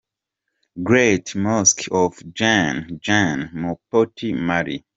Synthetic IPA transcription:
ɡɹetmaskʰɔvd͡ʒãnd͡ʒãnmɔpotʰimaɹḭ

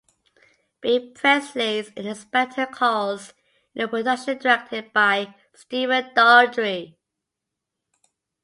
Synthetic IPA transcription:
b̥ipʰɹ̥ɛslezɪ̃nəspɛtʰəkʰɔz | ɪ̃nəpəzʌkʃə̃ndəɹɛk̚tʰɪd̚b̥aɪ | stivə̃ndɔdɹi

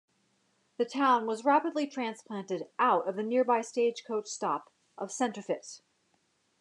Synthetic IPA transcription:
ðɨtʰãʊ̃nwʌzɹæpɨdˡlitʰɹ̥æ̃nspʰl̥æ̃ntɨɾʔaʊɾʌvðɨnɪɹbaɪsteɪd̥ʒ̥kʰoʊt͡ʃstɑp | ʔʌv̥sɛ̃ntɹ̥ɨfɪts

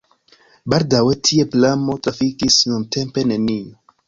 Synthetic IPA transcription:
baldawe̞tʰie̞plamo̞tɾafikisnunte̞mpe̞ne̞nio

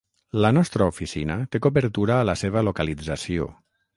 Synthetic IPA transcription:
lənɔst̪ɾəufisinət̪ekoβəɾt̪uɾaːləseβəlokalid͡zasio̰

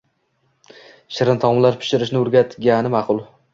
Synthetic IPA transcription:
ʃɪɾɪnt̪ʰɒmlaɾpʰɪ̥ʃɪɾɪʃnɪʊɾɡʲat̪ʰɡʲanɪmaqʰʊlˠ

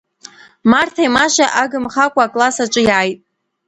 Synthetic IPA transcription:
martʰajmaʃaʔaɡɨmχakʷʼaːkʼlasat͡ʃʷʼɨjaːjtʼ

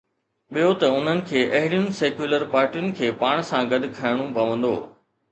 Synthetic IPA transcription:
ɓijot̪ɐʊn̤ənɪ̆kʰeːʔɐɦɪɽijʊnɪ̆seːkjuləɾpaːɾʈijʊnɪ̆kʰeːpaːɽ̃̆sãɡɐd̪̆ʱkʰɐɪɽ̃ũpɐʋə̃nd̪o̰ː

